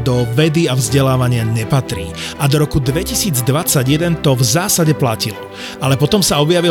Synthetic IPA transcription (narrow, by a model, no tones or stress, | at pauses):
d̪ɔʋɛd̪iavzɟɛlaːʋaɲɪaɲɛpat̪ɾḭː | ʔad̪ɔɾɔkud̪ʋɛcisiːd͡zd̪ʋat͡saɟɪjɛd̪ɛnt̪ɔvzaːsaɟɛplacil | alɛpɔt̪ɔmsaɔbjaʋi